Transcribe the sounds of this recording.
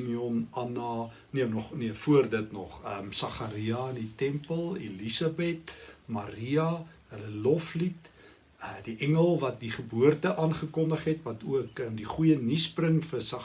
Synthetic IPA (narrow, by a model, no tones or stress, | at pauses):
miɔnɐnɑː | niəmnɔχniəfuərdətnɔχəmsɐχɐɾiɐənditɛmpəlˠḛlisɑbɛtmɐɾiɐ | ɦələlɔflit | diʔɛŋəlˠvɐt̚diχəbuərtəʔɑːnχəkɔndəχɦɛtvɐtuəkəndiχujənisprəŋfəsɐ